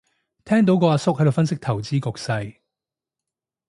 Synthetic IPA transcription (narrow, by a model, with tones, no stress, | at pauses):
t̪ʰɛː˥ŋt̪o˨˥wkɔː˨˧aː˧sʊ˥k̚hɐ˥d̪o˨wfɐ˥nsɪ˥k̚t̪ʰɐ˨˩wt͡siː˥kʊ˨k̚sɐ˧j